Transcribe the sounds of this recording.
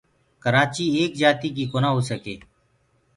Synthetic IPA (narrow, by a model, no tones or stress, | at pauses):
kəɾaːt͡ʃiːeːkd͡ʒaːt̪iːk̬iːkoːnaːɦoːsəkḛː